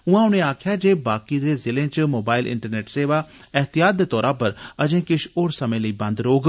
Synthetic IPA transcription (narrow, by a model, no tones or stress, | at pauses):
ʊãːʊnẽːaːkʰjaːd͡ʒeːbaːkiːd̪eːzɪlẽːt͡ʃmoːbaːɪlʔɪ̰̃ɳʈəɾneːʈseːʋaːɛɦt̪ɪjaːt̪̚d̪eːt̪ɔːɾaːpəɾəd͡ʒẽːkɪʃoːɾsəmẽːləiːbə̃nd̪ɾoːɡ